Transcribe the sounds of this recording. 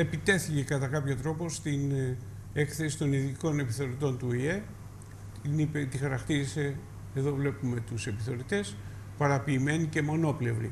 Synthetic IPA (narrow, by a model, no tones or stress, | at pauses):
e̞pit̪e̞θice̞kɐt̪ɐkɐpço̞t̪ɾo̞po̞st̪in | e̞kθe̞si̥t̪o̞niðiko̞ne̞piθo̞ɾit̪o̞nt̪uie̞ | tinipet̪ixɐɾɐkt̪iɾise̞ | eðo̞vle̞pume̞t̪use̞piθo̞ɾit̪e̞s | pɐɾɐpiːme̞nice̞mo̞no̞ple̞vɾḭ